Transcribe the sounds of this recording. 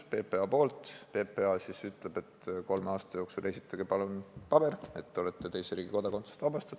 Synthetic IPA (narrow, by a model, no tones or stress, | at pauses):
pe̞ːpe̞ɑpo̞ːlt̪ˑpe̞ːpˑe̞ɑsisyt̪ːˑle̞b̥e̞t̪ko̞lmeɑːst̪ɑjo̞ːksule̞sʲi̥t̪ːˑɑɡ̥ipɑlunpɑb̥e̞re̞t̪ːeo̞let̪ːe̞t̪e̞jseɾiːɡ̥iko̞d̪̥ɑko̞nt̪se̥st̪vɑb̥ɑst̪ɑt̪